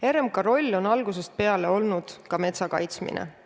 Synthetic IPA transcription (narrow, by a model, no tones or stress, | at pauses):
e̞ɾemkɑɾo̞lʲːo̞nɑlɡus̬e̞st̪̚pe̞ɑle̞o̞lnud̪̥kɑme̞t̪sɑkɑ̰jt̪smḭnʔḛ